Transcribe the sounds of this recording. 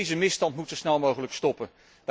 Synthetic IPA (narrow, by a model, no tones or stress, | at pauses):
zəmɪstɑntmutsowsnɛlˠmowχələkstɔpən | ʋ